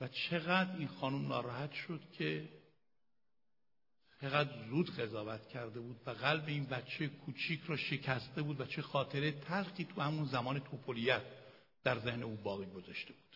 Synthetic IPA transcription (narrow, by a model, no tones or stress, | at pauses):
væt͡ʃʰe̞ɣæd̪ɾiːnxɒːnumnɒ̰ːɾɒːhæt̪ʃo̞d̪̥cʰe̞ | t͡ʃʰeɣæd̪ɾzuːd̪ɣe̞zɒːvæt̪ʰcʰæɾd̪e̞buːd̪væɣælbeiːnbæt̪t͡ʃʰejekʰuːt͡ʃʰiːcʰɾɒːʃe̞cʰæst̪e̞buːd̪væt͡ʃʰe̞xɒːt̪ʰe̞ɾet̪ʰælxiːt̪ʰuhæmunzæmɒːne̞t̪ʰopʰolijæt̪̚ | d̪̥æɾze̞hne̞uːbɒːɣiɡo̞zɒʃt̪e̞b̥u̥ːd̪̥